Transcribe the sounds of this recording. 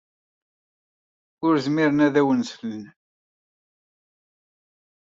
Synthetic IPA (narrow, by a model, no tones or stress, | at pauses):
ʊɾzmiɾənæðæwənsfələn